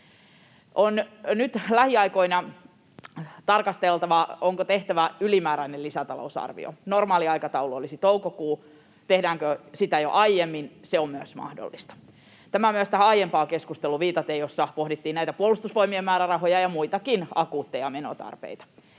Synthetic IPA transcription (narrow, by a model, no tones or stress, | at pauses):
ʔonnyt̪læhiɑikoinɑ | t̪ɑrkɑst̪elt̪ɑʋɑoŋkot̪eht̪æʋæylimæːɾæinelisæt̪ɑ̰lo̰usɑ̰rʋḭo̰normɑːliɑikɑt̪ɑuluolisit̪oukokuː | t̪ehdæːŋkøsit̪æjo̰ʔɑijemːinseomyøsmɑ̰hdo̰lːist̪ɑ̥ | t̪æmæmyøst̪æhæɑjempɑːkeskust̪eluʋiːt̪ɑt̪ejosːɑpohdit̪ːiːnæit̪æpuolust̪usʋoimiemmæːɾærɑɦojɑjɑmuit̪ɑkinɑkuːt̪ːejɑmeno̰t̪ɑ̰rpḛit̪ɑ̥